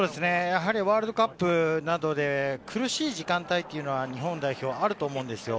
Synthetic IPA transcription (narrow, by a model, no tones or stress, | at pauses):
oːd̪esɨnejaɦaɾʲiβaːɾɯd̪o̞kapːɯ̟nad̪o̞d̪e̞kʰɯ̟ɾɯ̟ɕiːʑikãnt̪ait̪ːeiɯ̟no̞βaɲ̟iɦõ̞nd̪aiço̞ːaɾɯ̟t̪o̞ːmo̞ɯ̃nd̪e̞sɨjo̞